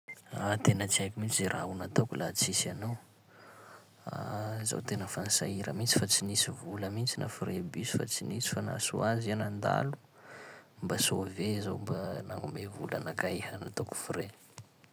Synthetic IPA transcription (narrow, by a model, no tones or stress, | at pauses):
at̪enət͡siajkʲimit͡sziɾʔaunat̪okulʔat͡sisanow | a̰za̰wt̪enəfansaiɾə̰mit͡si̥fat͡sinisivuləmit͡sinʔa̰fuɾebisi̥fa̰t͡sinisi̥fana̰sṵazianand̪a̰lu̥ | mbasovezombanaŋumevula̰nakaehənat̪oku̥fuɾe